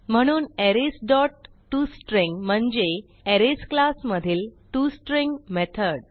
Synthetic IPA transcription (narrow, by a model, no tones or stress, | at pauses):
m̤əɽ̃uːneɾesɖɔʈː | usʈɾiŋɡm̤əɳd͡ʑe | eɾesklasməd̪ʱiːlʈusʈɾiŋɡmet̪ʰəɾɽ